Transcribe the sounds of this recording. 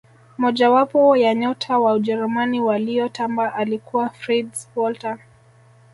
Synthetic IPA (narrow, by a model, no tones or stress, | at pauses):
mɔʄawapɔjaɲɔtʰawaud͡ʒɛɾumaniwalijɔtambaʔalikʰuwafɾidswɔlta